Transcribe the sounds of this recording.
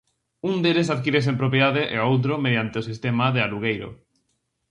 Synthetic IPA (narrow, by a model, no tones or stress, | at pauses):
und̪elesaðkiɾes̬empɾopjeðaðeʔḛowt̪̬ɾomeðjant̪eosist̪emaðealuɣ̞ejɾo̰